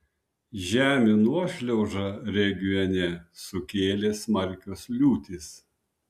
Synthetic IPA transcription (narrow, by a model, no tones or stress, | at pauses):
ʒʲæːmʲɪnuɔʃʲlʲɛʊʒɐɾʲɛɡʲiɔnʲɛsʊkʲeːlʲeːsmɐɾʲkʲoːslʲuːt̪ʲɪs